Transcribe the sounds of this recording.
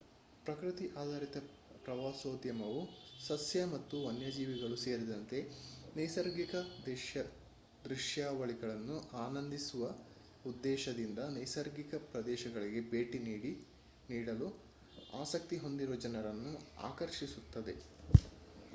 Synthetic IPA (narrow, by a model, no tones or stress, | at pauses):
pɾɐkɾit̪iʔaːd̪ʱaːɾit̪ɐ | pɾɐʋaːsoːd̪jɐmɐʋusɐsjɐmɐt̪ːuʋɐnjɐd͡ʒiːʋiɡɐɭuse̞ːɾid̪ɐnt̪e̞nɐjsɐɾɡikɐd̪ɛʃjɐ | d̪ɾiʂjaːʋɐɭiɡɐɭɐnːuaːnɐnd̪isuʋɐ | ud̪ːɛːʃɐd̪ind̪ɐnɐjsɐɾɡikɐpɾɐd̪ɛːʃɐɡɐɭiɡe̞beːʈiniːɽi | niːɽɐlu | a̰ːsɐk̚t̪iɦo̞nd̪iɾod͡ʒɐnɐɾɐnːua̰ːkɐɾʃisut̪ːɐd̪e̞̰